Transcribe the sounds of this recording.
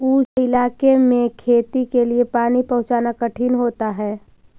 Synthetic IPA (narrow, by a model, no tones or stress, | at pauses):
uːd͡ʒɪlaːkemẽkʰeːt̪ikeliepaːnipɐ̃ɦʊ̃t͡ʃaːnakɐʈʰinɦoːt̪aɦɛː